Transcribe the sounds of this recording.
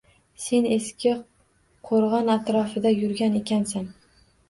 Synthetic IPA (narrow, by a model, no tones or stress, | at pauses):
se̞ne̞skʲɪ | qʰoɾʁɒnat̪ɾɒfɪd̪ajʊɾɡʲane̞kʲʰansan